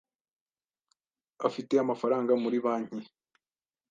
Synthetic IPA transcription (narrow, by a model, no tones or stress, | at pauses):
afite̞amafaɾaːŋɡamuɾiβaːɲ̥i